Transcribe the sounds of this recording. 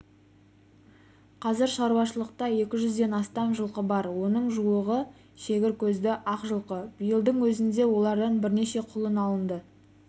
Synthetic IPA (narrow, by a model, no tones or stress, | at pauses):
qʰɑzɪɾʃɑɾuwɑʃəlˠəq̚t̪ɑje̞kʲɪʒʏzd̪e̞nɑst̪ɑmʒəlˠqəbɑɾwo̞nəɴʒuwəʁə | ʃe̞ɡʲɪɾkʲʰɵzd̪ɪʔɑqʒəlˠqəbijəlˠd̪əɴwɵzɪnd̪e̞wo̞lˠɑɾd̪ɑnbɪɾne̞ʃe̞qʰʊlˠənɑlˠənd̪ə